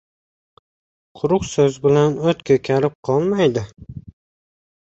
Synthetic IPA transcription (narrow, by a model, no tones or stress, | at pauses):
qʰʊɾʊqsɵzbɪlanot̪kʰʲɵkʲʰaɾɪp̚qʰɒlˠmajd̪ɪ